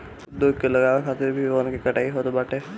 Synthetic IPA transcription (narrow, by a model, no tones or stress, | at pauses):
d̪okelɐɡaːʋekʰaːt̪ɪɾbʱiʋonkikɐʈaːiɦot̪obaːʈeː